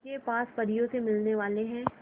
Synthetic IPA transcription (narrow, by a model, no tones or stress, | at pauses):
kepaːspɐɾijõsemɪlneʋaːleɦɛ̃ː